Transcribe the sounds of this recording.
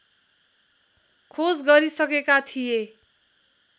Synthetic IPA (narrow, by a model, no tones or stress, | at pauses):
kʰod͡zɡʌɾisʌkekat̪ʰije